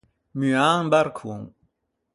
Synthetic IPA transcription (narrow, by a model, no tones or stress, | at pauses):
myaːŋbaɾkʰuŋ